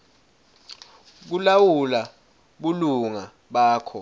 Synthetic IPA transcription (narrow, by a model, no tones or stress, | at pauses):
k̬ulawula | ɓuluŋa | ɓaːkʰɔ